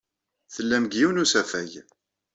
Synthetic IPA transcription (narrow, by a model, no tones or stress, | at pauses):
θəlːæmɡjiwnusæfæʝ